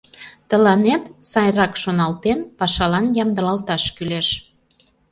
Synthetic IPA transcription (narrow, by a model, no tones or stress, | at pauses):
t̪əlɑnet̪sɑjrɑkʃonɑlt̪enpɑʃɑlɑnjɑmd̪əɾɑlt̪ɑʃkyleʃ